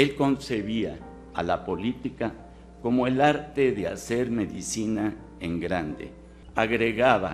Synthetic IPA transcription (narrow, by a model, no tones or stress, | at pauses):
elko̞nseβia | a̰lapo̞lit̪ika | ko̞moelaɾt̪eðea̰se̞ɾme̞ðisina | eŋɡɾand̪ḛ | aɣɾeɣaβa̰